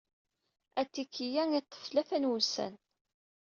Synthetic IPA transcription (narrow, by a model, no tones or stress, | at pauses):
æt̪ːikːijæŋit̪ːə̥flæfænwusæ̰n